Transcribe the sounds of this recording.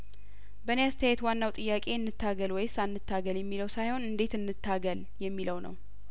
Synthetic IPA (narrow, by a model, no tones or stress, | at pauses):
bəneast̪ʰəjajɛt̪wanːawt̪ʼɨjːakʼe̞ɨnːɨt̪ʰːaɡəlwɔjsanːɨt̪ʰːaɡəljɛmːiləwsajho̞nɨnd̪e̞t̪ɨnːɨt̪ʰːaɡəl | jɛmːiləwnə̰w